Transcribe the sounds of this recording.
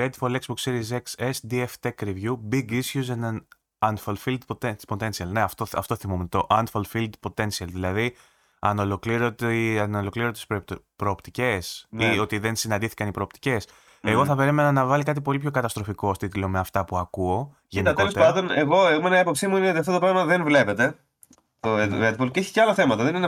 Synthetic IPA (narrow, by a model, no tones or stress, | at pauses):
ɾed̪folekspokseɾizeksesd̪ieft̪ekɾivʝubiɡisçuzenɐn | ɐnfɐlfild̪pot̪espot̪e̞nsiɐlne̞ɐft̪oɐ̰ft̪o̞θimumet̪t̪o̞ʔɐnfɐlfild̪po̞t̪e̞nsiɐlðilɐði | ɐnolokliɾot̪ɐnolo̞kliɾot̪spɾo̞ːpt̪ice̞snio̞t̪iðe̞nsinɐnd̪iθi̥kɐnipɾo̞ːpt̪i̥ce̞s | e̞ɣo̞θɐpe̞ɾime̞nɐnɐvɐlik̬ɐt̪ipo̞lipço̞kɐt̪ɐst̪ɾofiko̞st̪it̪ilo̞meɐft̪ɐpuɐkuo̞ | ʝeniɐt̪elospɐnd̪oneɣo̞eomenɐpo̞psimuinet̪iɐft̪ot̪pɾɐɣmɐðenvle̞pet̪e̞ | t̪oevet̪̚bolceeçi̥ceɐlɐθemɐt̪ɐðenin